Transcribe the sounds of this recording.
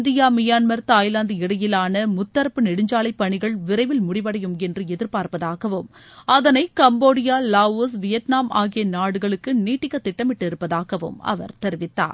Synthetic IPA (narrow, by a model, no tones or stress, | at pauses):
nd̪ɪjaːmɪjaːnmɐɾt̪aːjɪland̪ɯɪɽɐjɪlaːnɐmʊt̪ːɐɾɐpːɯnɛɽɪɲd͡ʒaːɭɐɪpːɐɳɪɣɐɭʋɪɾɐɪʋɪlmʊɽɪʋɐɽɐjɯmɛndrɯɛðɪɾpaːɾpɐðaːɣɐʋɯmɐðɐnɐɪkɐmboːɽɪjaːlaːosʋɪjɐʈnaːmʔaːɣɪjɐnaːɽɯɣɐɭɯkːɯniːʈːɪkːɐt̪ːɪʈːɐmɪʈːɪɾɯpːɐðaːɣɐʋɯ̰mɐ̰ʋɐ̰ɾt̪ɛɾʋɪt̪ːa̰ːɾ